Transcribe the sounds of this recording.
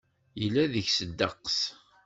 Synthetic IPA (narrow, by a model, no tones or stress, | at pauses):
jəlːæðəçsəd̪ːəqːs